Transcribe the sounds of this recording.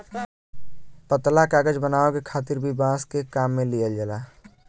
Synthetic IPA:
pət̪lakaːɡəd͡ʒbənaːokekʰaːt̪ɪɾbʱibãːskekaːmːẽlijəld͡ʒəlaː

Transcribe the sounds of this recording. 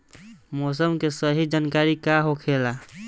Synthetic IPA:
mos̬əmkesəɦid͡ʒankaɾikaɦokʰela

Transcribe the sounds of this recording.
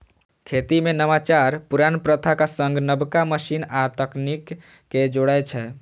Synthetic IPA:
kʰet̪imenəmat͡ʃaɾpuɾanpɾət̪ʰakasəŋɡnəbkaməsinat̪əknikː | ed͡ʒoɽat͡ʃʰɛ

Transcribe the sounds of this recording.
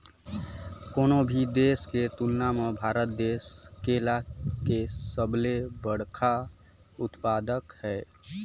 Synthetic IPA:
koːnobʱid̪esket̪ulnamebʱaːɾət̪̚d̪eːskelakesəblebəɽkʰa | ʊt̪pad̪əkhɛː

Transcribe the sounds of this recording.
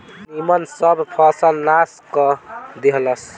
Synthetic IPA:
nimənsəbʱpʰɔsəlnaskɔd̪eɦləs

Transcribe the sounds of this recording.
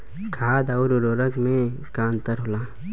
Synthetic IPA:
kʰaːd̪aʊɾɾoːɾəkmẽ | kãːnt̪əɾɦʊlaː

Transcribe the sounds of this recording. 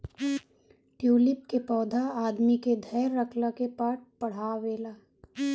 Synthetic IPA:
ʈjuːlɪp̚kepɔːd̪ʱaaːd̪miked̪ʱɐːɾːəkləkepaʈ̚pɐɽ̤aːʋeːlaː

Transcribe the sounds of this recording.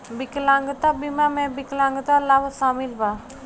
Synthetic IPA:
bɪklãŋɡt̪abimamẽbɪklãŋɡt̪alabsaːmilba

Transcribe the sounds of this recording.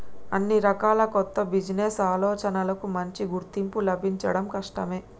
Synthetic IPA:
ɐnːiɾɐkaːlɐkɔt̪ːɐbid͡ʒnesaːlɔːt͡ʃɐnɐlɐkumɐɲt͡ʃiɡuɾt̪impulɐbʱiɲt͡ʃɐɽɐmkɐʂʈɐme̞ː

